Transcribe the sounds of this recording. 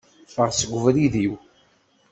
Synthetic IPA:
fəɾˤsəɡʷvɾiðiw

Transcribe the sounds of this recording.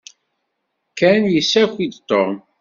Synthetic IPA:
kænjəsːækʷid̪t̪ˤːoʁˤm

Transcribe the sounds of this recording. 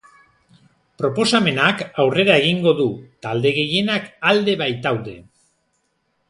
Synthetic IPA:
pɾo̞po̞same̞nakawre̞ɾae̞ɣ̞iŋɡo̞ðut̪ald̪e̞ɣ̞e̞je̞nakald̪e̞βajt̪awðe̞̰

